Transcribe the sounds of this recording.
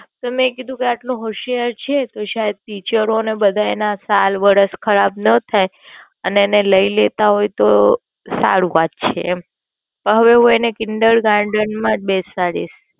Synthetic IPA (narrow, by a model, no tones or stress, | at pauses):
t̪əmẽkid̪ʱũkeaʈloɦoʃiəɾt͡ʃʰet̪oʃaɦed̪̚t̪it͡ʃəɾonebəd̪ʱaenasalʋəɾəskʰəɾab̚nət̪ʰaj | əneːneləilet̪aɦojt̪o | sa̰ɽuʋat̪̚t͡ʃʰe | pəɦəʋeɦũenekɪɳɖəɭɡãɳɖənmãbesaɽḭʃ